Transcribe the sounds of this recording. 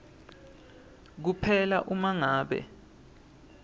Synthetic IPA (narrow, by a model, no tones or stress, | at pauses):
k̬upʰɛla̰ʔumaŋaːɓɛ̰